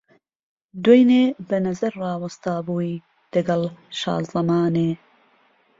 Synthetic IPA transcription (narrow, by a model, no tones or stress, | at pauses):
d̪wojneːbɐnɐzɐɾrɑːwɐst̪aːbuːi | d̪̥ɐɡɐlʃɑ̰ːzzɐmɑːneː